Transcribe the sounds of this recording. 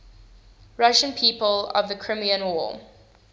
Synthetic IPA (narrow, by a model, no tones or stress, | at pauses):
ɹaʃə̃npʰiːˑpələ̰vðəkʰɹ̥ɪ̃miə̃nwɔ